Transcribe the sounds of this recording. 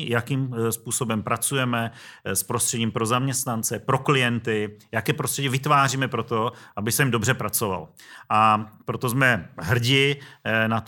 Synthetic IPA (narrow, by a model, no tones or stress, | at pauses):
jakimspuːso̞bɛmpɾat͡sujɛmɛspɾost̪r̥ɛɟiːmpɾo̞zamɲɛst̪nant͡sɛpɾo̞klɪjɛnt̪ɪjakɛːpɾost̪r̥ɛɟivɪt̪vaːriːmɛpɾo̞t̪o̞ʔabɪsɛmdo̞br̝ɛpɾat͡so̞va̰lʔapɾo̞t̪ozmɛɦr̩ɟɪnat̪